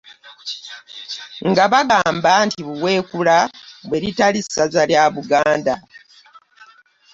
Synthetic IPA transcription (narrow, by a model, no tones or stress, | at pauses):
ŋɡaβaɡaːmbantiβuwe̞ːkulaβwe̞ɾitalisːazaljaβuɡaːnda